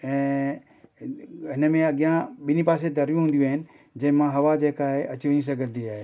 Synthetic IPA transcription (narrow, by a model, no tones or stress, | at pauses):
ɛ̃ː | ɦɪnəmẽɐɡjãɓɪnipaːs̬ed̪ʱɐɾjũɦũːnd̪ijũaːɦɪnɪ̆ | d͡ʒɐ̃ɪ̃mãɦɐʋad͡ʒeːkaːɦeʔɐt͡ʃiʋəɲĩs̬ɐ̃ɡəɾd̪iaːɦeː